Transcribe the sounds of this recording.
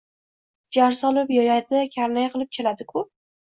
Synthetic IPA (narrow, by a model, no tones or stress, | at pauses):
d͡ʒaɾsɒlɪpjɒjajd̪ɪkʲʰaɾnajqʰɨlˠɪp̚t͡ʃʰelad̪ɪkʰʊ